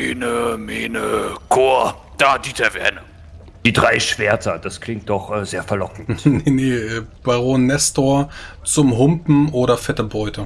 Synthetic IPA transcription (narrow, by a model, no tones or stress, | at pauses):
eːnəmeːnəkʰoːɐ | d̥aːdiːtʰɛɐvɛ̰ɐnə | d̥iːdʁaɪʃv̥eːɐtɐd̥askʰl̥ɪŋt̚d̥ɔχʔɛːzeːɐfɛɐlɔkŋ̩tneneʔɛːb̥aʁoːnːɛstoːɐ | t͡sʊmɦʊmpm̩ʔoːɾɐfɛtəbʁɔʏtʰə